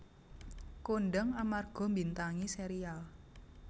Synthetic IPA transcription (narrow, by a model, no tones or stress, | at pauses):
koɳɖəŋamarɡ̥ɔ̤mbint̪aŋiseɾial